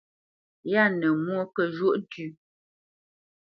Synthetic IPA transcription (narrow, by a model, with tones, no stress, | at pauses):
ja˦˨nə˨mwo˦kə˦˨ʒo˦ʔdʉ˦